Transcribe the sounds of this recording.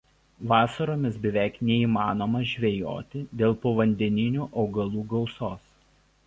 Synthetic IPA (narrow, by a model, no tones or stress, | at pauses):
ʋɑːsɐɾoːmʲɪsbʲɛʋʲæˑɪknʲɛiːmɑːnoːmɐʒʲʋʲɛjo̰ːt̪ʲɪd̪ʲeːlˠpoːʋɐnʲd̪ʲɛnʲɪnʲuːʔɒʊɡɐlˠuːɡɐʊsoːs